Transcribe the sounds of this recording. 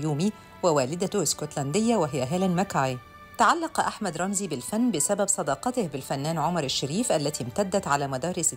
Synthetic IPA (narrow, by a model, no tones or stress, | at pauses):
juːmi | wɪwæːlɪd̪æt̪ʊɪskot̪lænd̪ɪjːawɪɦɪjːæɦæːlanmakaʕi | t̪aʕalːɑqʔaħmæd̪ɾˤɑmziːbɪlfanːbɪsabæbsˤɑd̪ɑːqɑt̪ɪhbɪlfænːæːnʕʊmɑɾˤɪʃːaɾiːfʔælːæt̪iːmt̪ad̪ːæt̪ʕalæːmæd̪ɑːɾisɪ